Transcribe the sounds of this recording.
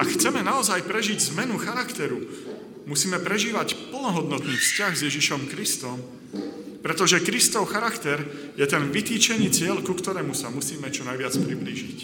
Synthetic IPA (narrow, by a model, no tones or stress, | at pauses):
akxt͡sɛmɛnaɔzajpɾɛʒiɟzmɛnuxaɾakt̪ɛɾu | musiːmɛpɾɛʒiːʋacpl̩nɔɦɔd̪nɔt̪niːfscaɣzjɛʒiʃɔmkɾist̪ɔm | pɾɛt̪ɔʒɛkɾist̪ɔʊxaɾakt̪ɛɾ | jɛt̪ɛnʋit̪iːt͡ʃɛniːt͡sɪɛlkukt̪ɔɾɛːmusamusiːmɛt͡ʃɔnajʋɪat͡spɾibliʒic